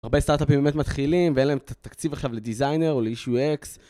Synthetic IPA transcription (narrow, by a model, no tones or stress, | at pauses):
aʁbest̪aʁt̪apimbemet̪mat̪χilimveenlaemtt̪akt͡sivaχʃavled̪izajne̞ʁoleiʃueks